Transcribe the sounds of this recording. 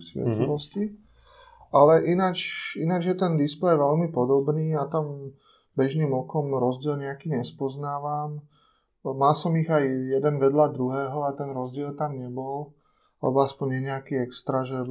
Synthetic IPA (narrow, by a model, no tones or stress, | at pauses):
sʋɛ̰t̪liʋɔsci | alɛʔinat͡ʃinad͡ʒjɛt̪ɛnd̪isplɛjʋɛlmipɔd̪ɔbniːat̪am | bɛʒniːmɔkɔmɾɔzɟɪɛlɲɛakiːɲɛspɔznaːʋam | malsɔmiɣajjɛd̪ɛnʋɛd̪lad̪ɾuɦɛːɦɔat̪ɛnɾɔzɟɪɛlt̪amɲɛbɔl | lɛ̰bɔaspɔɲɛɲɛakiːɛkst̪ɾaʒɛ